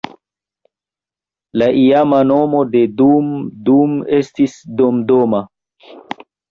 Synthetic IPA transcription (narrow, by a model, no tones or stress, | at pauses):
laʔiamano̞mo̞dedumdumestisdomdoma